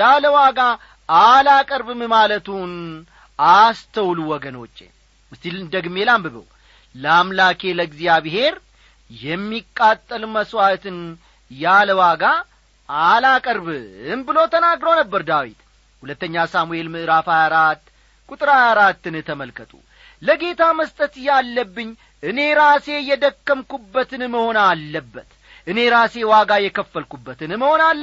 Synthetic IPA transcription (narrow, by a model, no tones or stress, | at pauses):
jaləwaɡa | alakʼəɾbɨmɨmalət̪un | ast̪ʰəwluwɔɡənot͡ʃʼːḛ | ɨst̪ilɨnd̪əɡmelambɨβə̰w | ləamlakʰe̞ləɡzijaβɨɦe̞ɾ | jɛmːikʼːat̪ʼːəlməswat̪ɨn | jaləwaɡa | alakʼəɾβɨnbɨlo̞t̪ʰənaɡɾəwnəbːəɾd̪awḭt̪ | hulət̪ːəɲːasamue̞lmɨʔɨɾafajaɾat̪ː | kʼut̪ʼɨɾajaɾat̪ːɨnt̪ʰəməlkʰət̪ʼṵ | ləɡe̞t̪ʰaməst̪ʼət̪jalːəbːɨɲː | ʔɨne̞ɾase̞jɛd̪əkːəmkubːət̪ɨnməho̞nalːəbːət̪ | ʔɨne̞ɾase̞waɡajɛkʰəfːəlkubːət̪ʰɨnməho̞nalːə